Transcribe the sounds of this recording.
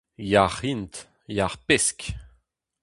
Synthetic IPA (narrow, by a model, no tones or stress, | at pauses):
jaʁint̪ | jaʁpɛsk